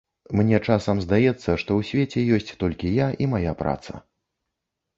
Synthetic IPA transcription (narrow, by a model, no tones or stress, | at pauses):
mnʲɛt͡ʂasɐmzd̪ajɛt̪sːɐʂt̪ɔwsʲvʲet͡sʲɛjɔsʲt͡sʲt̪ɔlʲkʲijaʔimajapɾa̰t̪sɐ̰